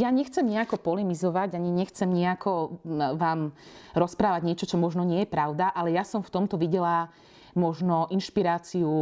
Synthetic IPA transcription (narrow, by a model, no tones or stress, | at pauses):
jaɲɛxt͡sɛmɲiakɔpɔlimizɔʋaɟaɲiɲɛxt͡sɛmɲiakɔʋaːmɾɔspɾaːʋaɟɲɪɛt͡ʃɔt͡ʃɔmɔʒnɔɲɪɛjɛpɾaʊd̪aʔalɛjasɔmft̪ɔmt̪ɔʋiɟɛla | mɔʒnɔʔinʃpiɾaːt͡siu